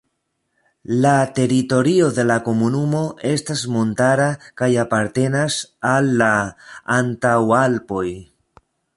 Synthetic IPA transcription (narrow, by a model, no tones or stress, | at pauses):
late̞ɾito̞ɾio̞ðe̞lako̞munumo̞e̞stasmo̞ntaɾakajapaɾte̞nasalːaː | ntawalpo̞j